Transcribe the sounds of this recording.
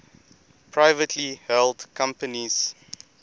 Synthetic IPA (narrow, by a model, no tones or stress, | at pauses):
pʰɹaɪvətʰlihɛldkʰãmpəniz̥